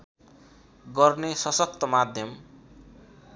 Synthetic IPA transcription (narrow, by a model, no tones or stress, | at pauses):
ɡʌrnesʌsʌk̚t̪ʌmad̪ʱjʌm